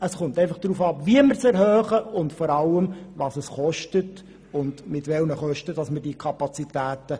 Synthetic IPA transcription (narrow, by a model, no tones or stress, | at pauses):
əsχʊntɛɪfɑχd̥ɾuːfɑːpviəməɾsɛɾhœːχəʊntfɔɾɑlːəmvɑːsəsχɔʃtət | ʊndmɪtʋɛlnəχœʃtəd̥ɑsmədikʰɑpɑt͡sitæːtə